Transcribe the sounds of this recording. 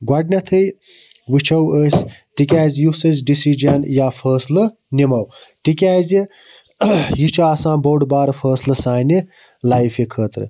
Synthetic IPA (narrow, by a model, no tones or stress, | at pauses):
ɡwɐɖnʲɐt̪ʰɨj | ʋɨt͡ʃʰɐwəːsʲt̪ikʲaːzʲjusɐzʲɖisid͡ʒɐnjaːfʰəːslɐ | nimɐwt̪ikʲaːzʲi | jit͡ʃʰaːsãːboːɖbaːɾɐfʰəːslɐsaːni | laːjfikʰəːt̪ɾɨ̰